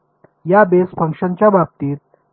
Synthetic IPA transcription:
jabesfəŋkʂənt͡ɕjabap̚t̪it̪̚

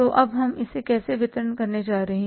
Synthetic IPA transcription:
oʔɐbɦɐmɪsekɛːseʋɪt̪əɾənkɐɾned͡ʒaːɾɐɦẽ

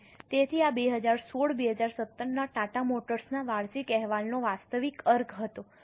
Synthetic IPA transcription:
t̪et̪ʰiabeɦəd͡ʒaɾsoɭbeɦəd͡ʒaɾsət̪ːəɾnaʈaʈamoʈəɾsnaʋaɭsikɛɦʋalnoʋast̪əʋikəɾɡʱɦət̪o

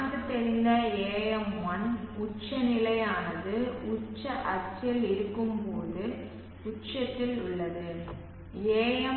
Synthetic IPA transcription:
ŋɡɯt̪ːɛɾɪnd̪ɐeːjɐmʋɐnʊt͡ʃːɐnɪlɐjaːnɐðɯʊt͡ʃːɐʔɐt͡ʃːɐlɪɾɯkːɯmpoːðɯ | ʊt͡ʃɐt̪ːɪlʊɭːɐðɯ | eːjɐ

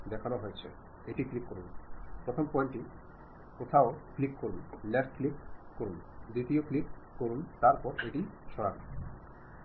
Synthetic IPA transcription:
d̪ɛkʰanoɦojet͡ɕʰḛ | eʈiklipkoɾunpɾot̪ʰompɔjiɳʈi | kot̪ʰaoklikkoɾunlɛʈklip̚koɾun | d̪ɾit̪ioklikkoɾunt̪aɾpɔɾeʈiʃɔɾabo̰

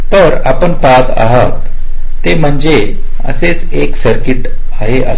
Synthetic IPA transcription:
t̪əɾapəɳpad̪a̰ɦət̪ː | em̤əɳd͡ze | ə̰set͡s | eksəɾkiʈ | aɦeʔa

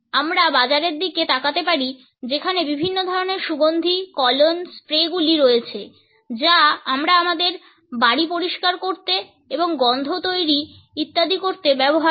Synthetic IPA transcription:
amɾabad͡ʑaɾeɾd̪iket̪akat̪epaɾi | d͡ʑekʰanebibʱinːod̪ʱɔɾoneɾʃuɡond̪ʱikɔlonspɾeɡuliɾojet͡ɕʰe | d͡ʑaamɾaamad̪eɾ | baɽipoɾiʃkaɾkoɾt̪e | eboŋɡɔnd̪ʱot̪ojɾi | it̪ːad̪ʱikoɾt̪ebɛboɦa

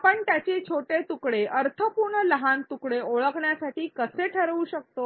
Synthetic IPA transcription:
pəɳt̪jat͡ɕet͡ɕʰoʈet̪ukɽeʔəɾt̪ʰəpuɾɳələɦant̪ukɽeoɭəkɳjasaʈiːkəseʈʰəɾʋuːɕək̚t̪o

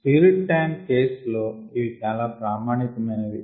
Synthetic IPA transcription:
piɾiʈʈːɐjnke̞ːslo̞ːiʋit͡ʃaːlaːpɾaːmaːɳik̪ɐmɐnɐd̪i

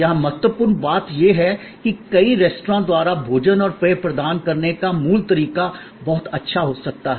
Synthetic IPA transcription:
jɐɦãmɐt̪wəpʊːɾnbaːt̪jeɦɛ | kikɐiɾeːsʈɾãːd̪waːɾabʱoːd͡ʒənɔːɾpɾeːpɾɐd̪aːnkɐɾnekamuːlt̪ɐɾiːka | bɔɦt̪ɐtːʃʰaɦoːsɐk̚t̪aɦɛ

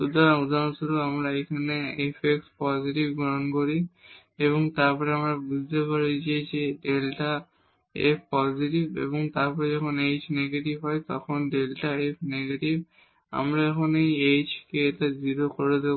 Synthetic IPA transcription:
tud̪aud̪ʱanɔt̪ɔɾoamɾaejkʰaneepʰekspɔziʈibɡɔɦɔnkoɹi | eβɔŋt̪aɹpɔɹɛamɹabud͡ʑʱit̪epaɹizezeɖelʈa | ḛpʰpɔziʈibḛbɔŋt̪aɹpɔɹɛd͡ʒɔkʰɔnejt͡ʃneɡeʈibɦɔjt̪ɔkʰɔnɖelʈaepʰneɡeʈib | a̰mɾaekʰɔnejejt͡ʃkeːtaziɾokɔɹed̪e

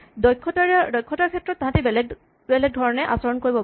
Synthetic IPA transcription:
dɔjkʰːɔtaɹdɔjkʰːɔtaɹkʰɛtɹɔt̚ːãɦãtebɛlɛ | bɛlɛɡ̚dʱɔɹɔnɛʔasɔɹɔnkoɹibɔ

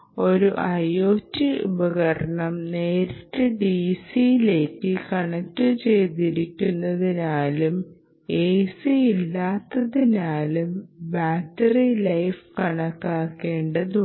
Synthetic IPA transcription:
o̞ɾuʔɐjoːtːiubɐɣɐɾɐɳɐmne̞ːɾɐʈːɨɖisijile̞ːkːɨkɐɳɐk̚ʈːɨt͡ɕe̞jt̪iɾikʲːunːɐðinaːlum | eːsiilːaːt̪ːɐðinaːlumbaːtːɐrilɐjfkɐɳɐkːaːkːe̞ːɳɖɐðu

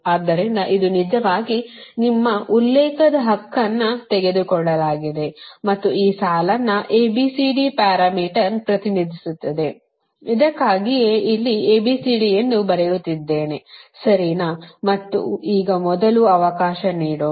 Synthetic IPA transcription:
aːd̪ːɐɾind̪ɐʔid̪unid͡ʒɐʋaːɡinimːɐʔulːɛːkɐd̪ɐɦɐkːɐnːɐt̪ɛɡe̞d̪ukɔɭːɐlaːɡid̪e̞mɐt̪ːuiːsaːlɐnːɐʔeːbisiɖipaːɾamiːʈɐɾpɾɐt̪inid̪ʱisut̪ːɐd̪e̞ | id̪ɐkːaːɡijeʔilːieːbiːsiɖijenːubɐɾejut̪ːid̪ːe̞ːnesɐɾinɐmɐt̪ːṵiːɡɐmɔd̪ɐluɐʋɐkaːʃɐniːɽoː

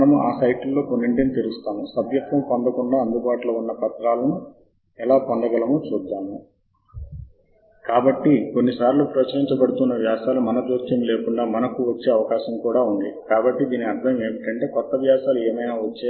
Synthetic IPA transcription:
ɐnɐmuʔaːsɐjʈlːo̞ːkonːiɳʈinit̪iɾust̪aːmusɐbjɐt̪ʋɐmpond̪ɐkuɳɖaːɐnd̪ubaːʈloːunːɐpɐt̪ɾaːlɐnu | ɛlaːpond̪ɐɡɐlɐmot͡ʃuːd̪ːaːmu | kaːbɐʈːiko̞nːisaːɾlupɾɐt͡ʃɐɾiɲt͡ʃɐbɐɽut̪unːɐʋjaːsaːlumɐnɐd͡ʒ̪oːt͡ʃ̪jɐmle̞ːkuɳɖaːmɐnɐkuʋɐt͡ʃːe̞ːɐʋɐkaːʃɐmkuːɽaːund̪ikaːbɐʈːid̪iːniɐɾd̪ʰʱɐme̞ːmiʈɐɳʈe̞ːkɔt̪ːɐʋjaːsaːlueːmɐjnaːʋɐt͡ʃːe

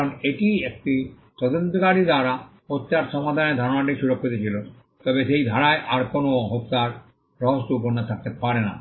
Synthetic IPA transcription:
koneʈiek̚ʈi | t̪ɔd̪ont̪okaɾid̪aɾa | ot̪ːaɾʃɔmad̪ʱaned̪ʱaɾonaʈ̬iʃuɾokʰːod̪it͡ɕʰilo | t̪ɔbeʃejd̪ʱaɾaeʔaɾkonoɔɦot̪ːaɾ | ɾɔɦost̪oup̬onːat̪ʰak̚t̪epaɾena̰

